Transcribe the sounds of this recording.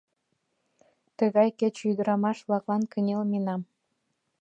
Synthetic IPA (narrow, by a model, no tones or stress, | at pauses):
t̪əɣɑjket͡ɕyjd̪ə̆ɾɑmɑʃβlɑklɑnkənʲelmenɑm